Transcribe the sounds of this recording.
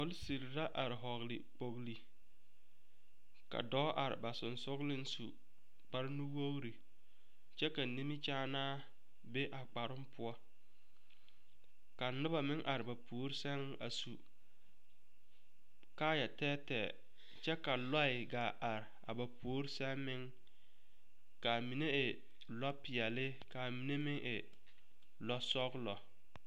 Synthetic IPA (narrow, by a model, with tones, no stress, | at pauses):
ʊ˦lsi˨ɾɾa˦ʔa˨ɾɪ˨ɦɔ˨ɣlɪ̰˨k͡po˨ɣli˨ | ka̰˨dɔː˦ʔa˨ɾɪ̰˨ba˨sʊ˨nsʊ˦ɣlɪ˦n˦su˨ | k͡pa˦ɾɪ˦nu˦wo˦ɾi˨ | t͡ʃɛ˦ka˨ni˦mi˦t͡ʃaː˦naː˦ | be˦ʔa˨k͡pa˨ɾʊ˦mpʰʊ˦ɔ˦ | ka˨˦nʊ˦ba˨mɪ˦ŋʔa˨ɾɪ˨ba˨pu˨o˦ɾsɛ˦ŋ | a̰˨su˨ | kaː˦jɛ˨tɛː˦tɛ˨ | t͡ʃɛ˦ka˨la˦ɪ˨ɡaː˨ʔa˨ɾɪ˨a̰˨ba˨pʰoː˨˦ɾsɛ˦mːɪ˦ŋ | ka˨mi˨ne˦ɪ˨ | lɔ˦pɪ˨ɛ˨lɪ˦ | ka˨mi˨ne˦mɪ˦ŋʔɪ˨ | lɔ˦sɔ˦ɡlɔ˨